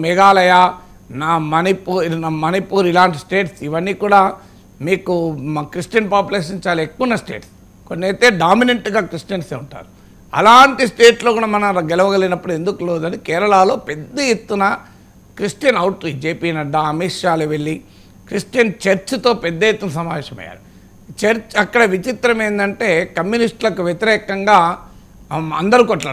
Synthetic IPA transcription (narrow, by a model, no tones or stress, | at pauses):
mɛɡaːlɐjaː | naːmɐnipuːnaːmɐnipuːɾilaːɳʈisʈeːʈsiʋɐnːiːkuːɽaː | miːkukɾisʈijɐnpaːpjuleːʂ̬ɐɲt͡ʃaːlekːunːɐsʈeːʈs | konːeːt̪eːɖaːmineɳʈɡaːkɾisʈijɐnseːuɳʈa̰ːɾu | ɐ̰laːɳʈisʈeːʈlo̞ːkuːɽaːmɐnɐmɐɡɛlɐʋɐɡɐlɡinɐpːuɽue̞nd̪ukuloːd̪ɐnikɛːɾɐɭaːlo̞ːpɛd̪ːɐjet̪ːunɐ | kɾisʈijɐnɐwʈɾid͡ʒeːpiːnɐɖaɐmiːʂjaːluʋeɭːi | kɾisʈijɐnt͡ʃɐɾt͡ʃut̪o̞ːpɛd̪ːɐjet̪ːunɐsɐmaːʋeːʃɐmɐ̰jːa̰ːɾi | t͡ʃɐɾt͡ʃɐkːɐɽɐʋit͡ʃit̪ɾɐme̞ːnd̪ɐɳʈe̞ːkɐmjunisʈlɐkuʋjet̪iɾɛːkɐŋɡaː | ɐ̰nd̪ɐɾuːkɔʈla̰ː